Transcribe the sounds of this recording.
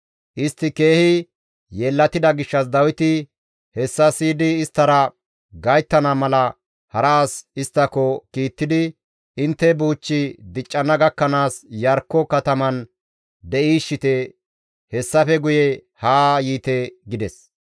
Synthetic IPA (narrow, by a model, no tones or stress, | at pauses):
ʔɪst̪ːɪke̞ːhɪ | jeːlːɐt̪ɪd̪ɐɡɪʃːɐsd̪ɐwɪt̪ɪ | hɛsːɐsiːd̪ɪːst̪ːɐɾɐ | ɡɐjt̪ːɐnamɐlɐ | hɐɾaːsɪst̪ːɐkɔkiːt̪ːɪd̪ɪ | ɪnt̪ːɛbuːt͡ʃːɪd̪ɪt͡ʃʼːɐnɐɡɐkːɐnaːsjɐɾkːɔkɐt̪ɐmɐn | d̪ɛʔiːʃːɪt̪ɛ | hɛsːɐfɛɡʊjɛ | haːjiːt̪ɛɡɪd̪ɛs